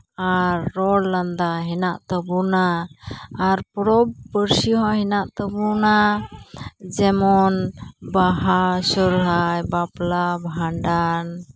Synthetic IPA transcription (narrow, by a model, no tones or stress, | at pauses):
aɾːɔɽland̪aɦɛnaʔt̪əbunaː | ɾpɔɾɔbbəɾsiɦɔ̃hɛnaʔt̪əbuna | d͡ʒɛmɔnbaɦasəɾɦajbaplabɦaɳɖan